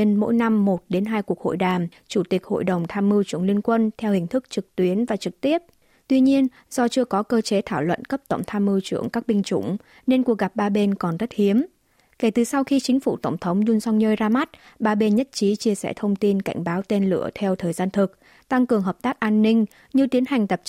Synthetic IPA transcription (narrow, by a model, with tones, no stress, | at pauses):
nmo̰˧˥jna˧mːo˨˩t̚ɗe˨˦nɦaː˧jku˨˩ək̚ho̰˧˨jɗaː˨˩mt͡ɕu˧˩t̪ï˨˩k̟̚ho̰˧˨jɗə˨˩wŋ͡mt̪ʰaː˧mːɨ˧t͡ɕɨ̰˧˩əŋli˧ənkwə˧nt̪ʰɛ˧whï˨˩ŋ̟t̪ʰɨ˦˥k̚t͡ɕɨ˨˩k̚t̪wi˨˦ənvaː˨˩t͡ɕɨ˨˩k̚t̪i˦˥əp̚ | t̪wi˧ɲi˧ən | zɔ˧t͡ɕɨ˧əkɔ˨˦kəː˧t͡ɕe˨˦t̪ʰaː˧˩wlwə̰˧˨nkə˦˥p̚t̪ə̰˧˩wŋ͡mt̪ʰaː˧mːɨ˧t͡ɕɨ̰˧˩əŋkaː˦˥k̚ɓï˧ŋ̟t͡ɕʊ̰˧˩ŋ͡m | ne˧nku˨˩ək̚ɣa˨˩p̚ɓaː˧ɓe˧nkɔ˨˩nzə˦˥t̚hi˨˦əm | ke˧˩t̪ɨ˨˩sa˧wxi˧t͡ɕï˨˦ŋ̟fu˧˩t̪ə̰˧˩wŋ͡mt̪ʰə˨˦wŋ͡mzu˧nsa˧wŋ͡mɲəː˧jzaː˧ma˦˥t̚ | ɓaː˧ɓe˧nɲə˦˥t̚t͡ɕi˨˦t͡ɕi˧əsɛ̰˧˩t̪ʰə˧wŋ͡mt̪i˧nka̰˧˩jŋ̟ɓaː˨˦wt̪e˧nlɨ̰˧˩ət̪ʰɛ˧wt̪ʰəː˨˩jzaː˧nt̪ʰɨ˨˩k̚ | t̪a˧ŋkɨ˨˩əŋɦəː˨˩p̚t̪aː˦˥k̚ʔaː˧nːï˧ŋ̟ | ɲɨ˧t̪i˨˦ənɦa˨˩jŋ̟t̪ə˨˩p̚